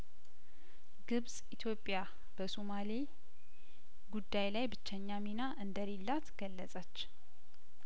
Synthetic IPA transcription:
ɡɨβsʼit̪ʰjo̞pʼːja | bəsumali | ɡud̪ːajlajbɨt͡ʃːɛɲːaminaʔɨnd̪əɾelːat̪ɡ̥əlːəsʼət͡ʃː

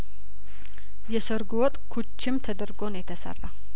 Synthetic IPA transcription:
jɛsəɾɡuwɔt̪ʼkʰut͡ʃːɪmt̪ʰəd̪əɾɡo̞njɛt̪ʰəsə̰rːa

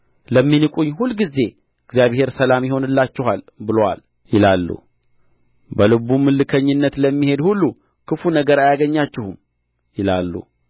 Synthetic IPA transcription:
ləmːinɨkʼuɲːhulɡize̞ | ɨɡzijaβhe̞ɾsəlamjɪho̞nɨlːat͡ʃːɪɦal | bɨlowa̰l | jɪlalːṵ | bəlɨβumɨlːɨkʰəɲːɪnːət̪ləmːihe̞d̪hulːu | kʰɨfunəɡəɾajaɡəɲːat͡ʃːɪhum | jɪlalːṵ

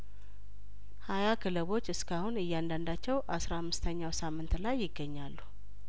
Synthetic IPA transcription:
hajakʰɨləβo̞t͡ʃːɨskʰahunɨjːand̪and̪at͡ʃːɛwʔasɾahamːɨst̪ʰəɲːawsamːɨnt̪lajːɪɡːəɲːalːu

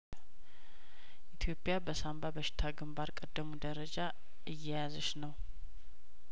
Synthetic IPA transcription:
ʔit̪ʰjo̞pʼjabəsambabəʃɪ̥t̪ʰaɡɨmbaɾkʼəd̪ːəmud̪əɾəd͡ʒa | ʔɨjːɛjazəʃnəw

